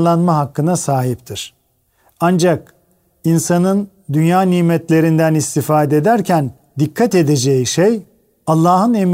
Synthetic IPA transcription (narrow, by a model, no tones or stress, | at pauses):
lˠanmaɦakːɯnasaːɦip̚t̪ʰiɾ̥ | and͡ʒak | insanɯn | d̪ynjaːniːmɛt̪lʲe̞ɾind̪ænist̪ʰifaːd̪ɛed̪æɾcʰæn | d̪ikʰːat̪e̞d̪ed͡ʒejiʃej | alˠːaːɦɯnem